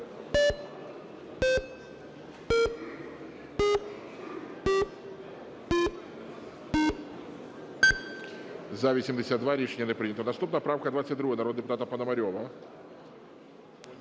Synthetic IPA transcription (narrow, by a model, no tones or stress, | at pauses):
zavʲisʲɛmʲd̪ʲɪsʲad̪vaɾʲiʂɛnʲjɐnɛpɾɨnʲɐt̪ɔd̪ɐst̪upnəjɐpɾawkɐd̪vat̪sətʲd̪ɾuɣənaɾɔd̪ɨpʊt̪at̪ɐpɐnɐmaɾʲɔvɐ